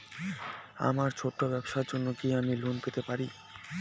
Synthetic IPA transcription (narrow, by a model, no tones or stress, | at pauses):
a̰maɾt͡ɕʰoʈːobɛbʃaɾd͡ʑonːokiamilunpet̪epaɾi